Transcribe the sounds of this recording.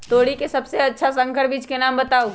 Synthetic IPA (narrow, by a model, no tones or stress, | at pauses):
t̪oːɽikesɐbseɐtːʃʰasɐ̃ŋkʰəɾbiːt͡ʃkenãːmbɐt̪aːo